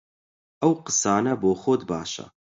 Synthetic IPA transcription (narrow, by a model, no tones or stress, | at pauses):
ʔɐwqɨsɑːnɐboːxoːd̪baːʃɐ̰